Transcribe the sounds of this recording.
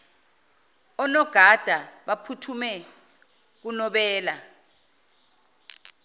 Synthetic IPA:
ɔnɔɡ̥ʱad̥ʱaɓapʰutʰumɛ | k̬unɔɓɛːla

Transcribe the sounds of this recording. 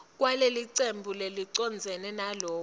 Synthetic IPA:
k̬waleliǀembʱuleliǀɔnd͡zʱɛnɛnalɔː

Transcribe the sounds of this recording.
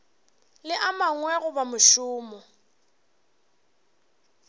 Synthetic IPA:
lɪʔamaŋwɛɣʊbamʊʃʊːmɔ

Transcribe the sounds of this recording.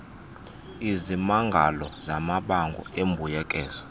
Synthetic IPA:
izimaŋɡʱalɔzamaɓaŋɡʱɔ̰embʱujɛkʼɛːzɔ̥

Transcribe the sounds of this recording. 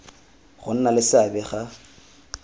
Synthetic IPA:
χʊn̩nalɪsɪabɛχa

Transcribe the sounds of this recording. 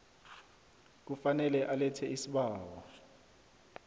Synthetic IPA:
k̬ufanɛlɛʔalɛtʰɛisiɓaːwa

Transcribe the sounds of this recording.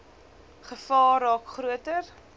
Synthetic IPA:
χəfɑːrɑːkχɾuətər

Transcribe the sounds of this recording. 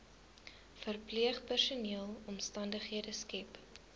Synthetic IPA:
fərpliəχpærsuniəlˠɔmstɐndəχɦiədəskɛp

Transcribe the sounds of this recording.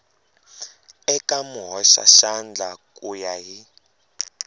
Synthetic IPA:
ɛkʼamuɦɔʃa̰ʃand͡ɮʱakʼujaɦi

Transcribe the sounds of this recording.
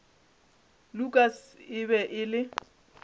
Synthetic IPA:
lukʼasɪbɛʔɪlɪ

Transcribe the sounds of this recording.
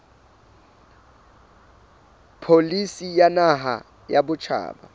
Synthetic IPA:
pʰolisijanaɦa̰ | jabʊt͡ʃʰa̰ːɓa̰

